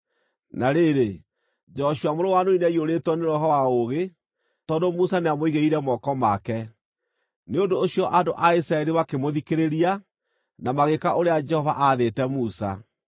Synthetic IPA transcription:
naɾeːɾe | d͡ʒɔʃuamoɾowanoinɛioɾetwɔneɾɔɦɔwaoɣe | tɔndomusaneamoiɣeiɾɛmɔkɔmakɛ | neondoːɕiɔʔadoʔaisɾaɛɾiwakemoðikeɾeɾia | namaɣekaʔoɾead͡ʒɛhɔva̰ʔaðetɛmusa̰

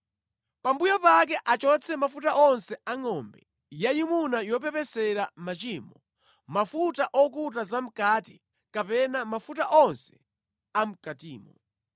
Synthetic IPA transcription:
pambujɔpak̬ɛʔat͡ʃɔt͡sʰɛmafutaʔɔnsɛaŋɔmbɛ | jajimunajɔp̬ɛpɛsɛɾamat͡ʃimbɔ | mafutaʔɔk̬utazam̩kaːti | kapɛnamafut̬aʔɔnsɛ̥ | am̩katiːmɔ̰

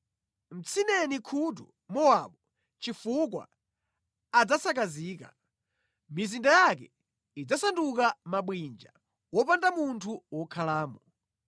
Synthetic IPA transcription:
m̩t͡sʰinɛnikʰut̬ṵ | mɔwaɓɔ | t͡ʃifuk̬wa̰ː | d͡zasak̬aziːka̰ | mizindajak̬ɛ | id͡zasanduk̬amaɓwind͡ʒa̰ | wɔpandamuntʰuwɔkʰalaːmɔ

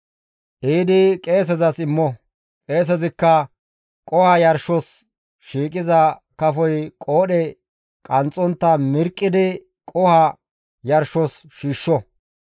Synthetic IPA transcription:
ʔiːd̪ɪkʼe̞ːs̬ɛzɐsɪmːɔ | kʼe̞ːs̬ɛzɪkːɐ | kʼɔhɐjɐɾʃɔs | ʃiːkʼɪzɐ | kɐfɔjkʼo̞ːɗɛ | kʼɐnt͡sʼːɔnt̪ːɐmɪɾkʼːɪd̪ɪ | kʼɔhɐ | jɐɾʃɔs | ʃiːʃːɔ

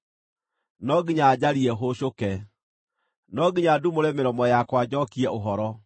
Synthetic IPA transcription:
nɔɡiɲad͡ʑaɾiɛɦoɕokɛ | nɔɡiɲadumoɾɛmeɾɔmɔjakwad͡ʑɔkiɛʔoɦɔɾɔ

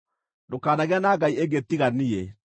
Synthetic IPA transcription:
ndokaːnaɣeanaɡaieŋɡet̪iɣanie

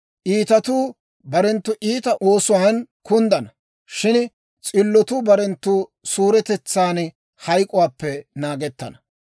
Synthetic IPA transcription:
ʔiːt̪ɐt̪uː | bɐɾɛnt̪ːʊʔiːt̪ɐʔo̞ːsʊwaːnkʊnd̪ɐnɐ | ʃɪn | t͡sʼɪlːɔt̪uːbɐɾɛnt̪ːuːsuːɾɛt̪ɛt͡sːaːn | hɐjkʼʊwaːpːɛnaːɡɛt̪ːɐ̰nɐ

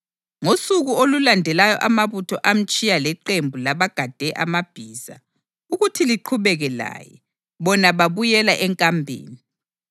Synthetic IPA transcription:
ŋosuɣuolulandʱɛlajɔ̰ʔamaβutʰɔʔam̩t͡ʃʼijalɛǃembʱulaβaɡ̥ʱad̥ʱɛʔamab̥ʱiːz̥a̰ | uɣutʰiliǃʰuβɛɣɛla̰ːjɛ̰ | βɔnaβaβujɛlaʔɛŋkʼambʱḛːni

